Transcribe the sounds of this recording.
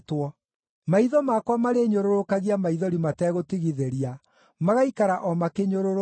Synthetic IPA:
twɔ | maiðɔmakwamaɾeɲoɾoɾokaɣiamaiðɔɾimatɛːɣotiɣiðeɾia | maɣaikaɾaʔɔmakeɲoɾoɾo

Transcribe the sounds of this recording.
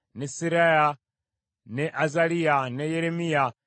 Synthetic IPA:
nɛsiɾɛja | nɛʔazalianɛjɛɾɛmia

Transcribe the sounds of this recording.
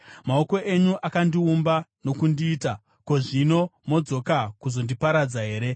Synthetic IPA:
mao̞ko̞ʔe̞ɲuʔakandiumbano̞kundiːta | ko̞ʐino̞mo̞d͡zo̞kakuzo̞ndipaɾad͡zaɦe̞ːɾe̞

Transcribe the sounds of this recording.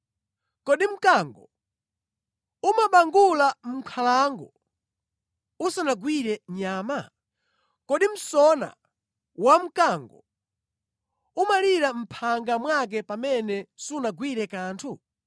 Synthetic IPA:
kɔɗim̩kaŋɡɔ | umaɓaŋɡulam̩kʰalaŋɡɔ | usanaɡwiɾɛɲaːma | kɔɗim̩sɔna̰ | wam̩kaŋɡɔ̰ | umaliɾam̩pʰaŋɡamwak̬ɛpamɛnɛsunaɡwiɾɛkaːntʰu

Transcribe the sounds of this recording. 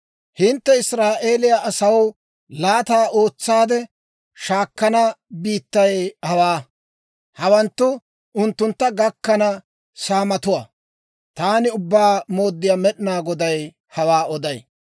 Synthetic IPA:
hɪnt̪ːɛɪsɾaːʔe̞ːlɪjaʔɐsɐw | laːt̪aːʔo̞ːt͡sːaːd̪ɛ | ʃaːkːɐnɐbiːt̪ːɐjhɐwaː | hɐwɐnt̪ːʊ | ʔʊnt̪ːʊnt̪ːɐɡɐkːɐnɐ | saːmɐt̪ʊwa | t̪aːnɪʊbːaːmo̞ːd̪ːɪjamɛɗɪnaːɡɔd̪ɐj | hɐwaːɔd̪ɐj

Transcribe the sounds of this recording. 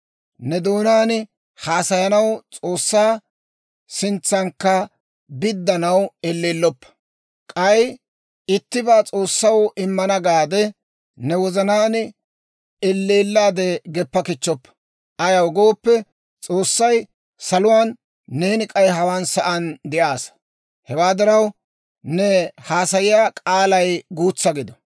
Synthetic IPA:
nɛd̪oːnaːnɪ | haːsɐjɐnɐwt͡sʼo̞ːsːaː | sɪnt͡sːɐŋkːɐ | bɪd̪ːɐnɐwɛlːeːlːɔpːɐ̥ | kʼɐj | ɪt̪ːɪbaːt͡sʼo̞ːsːɐwɪmːɐnɐɡaːd̪ɛ | nɛwɔzɐnaːnɪ | ɛlːeːlːaːd̪ɛɡɛpːɐkɪt͡ʃːɔpːɐ̥ | ʔɐjɐwɡo̞ːpːɛ | t͡sʼoːsːɐj | sɐlʊwaːnː | eːnɪkʼɐjɦɐwaːnsɐʔɐnd̪ɛʔaːs | hɛwaːd̪ɐɾɐw | nɛhaːsɐjɪjaːkʼaːlɐjɡuːt͡sːɐɡɪd̪ɔ

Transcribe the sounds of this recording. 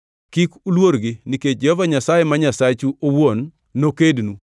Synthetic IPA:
kikulwoɾɡɪniket͡ʃ̚d͡ʒehɔvaɲasajemaɲasat͡ʃuʔowonː | okednu

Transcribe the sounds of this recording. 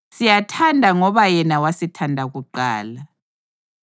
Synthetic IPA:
sijatʰandʱaŋɔβajɛnawasitʰandʱaɣuǃa̰ːla

